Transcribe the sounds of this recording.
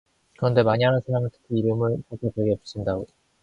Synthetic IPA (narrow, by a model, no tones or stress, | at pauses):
kɯɾʌnde̞maɲiɦanɯnsʰaɾaŋɯntɯ̥kʰiiɾɯmɯɭkakʰepeɡepu̥ɕʰindaɡo